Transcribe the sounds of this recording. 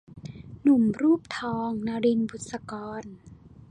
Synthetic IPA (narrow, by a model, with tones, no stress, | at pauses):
nu˨˩˦mɾuː˥˩p̚t̪ʰɔː˧ŋna˧ɾi˧nbu˨˩t̪̚sa˧kɔː˧n